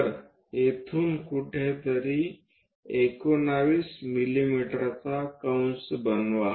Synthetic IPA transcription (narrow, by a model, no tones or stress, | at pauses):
ɾ | et̪ʰuːnkuʈʰet̪əɾi | ekonaʋiːsmilimiʈəɾt͡sakaw̃nsbənʋa